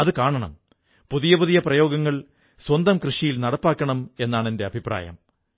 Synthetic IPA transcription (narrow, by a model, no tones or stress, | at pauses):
ɐðɨkaːɳɐɳɐ̰m | puðijɐpuðijɐprɐjoːɡɐŋːɐɭ | swɐnd̪ɐmkrɨʂijilnɐɽɐpːaːkːɐɳɐme̞nːaːɳende̞ɐbʱiprʔa̰ːjɐ̰m